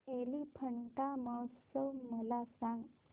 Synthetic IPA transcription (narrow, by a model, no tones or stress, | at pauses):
elipʰəɳʈaməwtsəwməlasãŋɡ